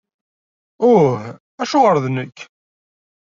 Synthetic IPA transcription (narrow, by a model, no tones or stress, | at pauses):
ʊh | æʃʊʁəɾðnəkː